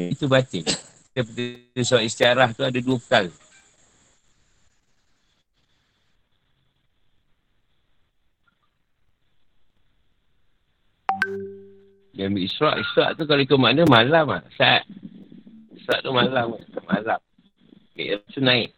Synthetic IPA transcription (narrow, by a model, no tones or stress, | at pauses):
it̪ubat͡ʃɪŋ | apət̪iusaʔist̪iaɾaht̪uadaduəpə̥t̪al | jambiisɾa̰ʔisɾa̰ʔt̪ukaloikomanəmalama̰sa̰ʔ | isɾa̰ʔt̪umalamaamalam | ka̰ʔɾat̪unaɪʔ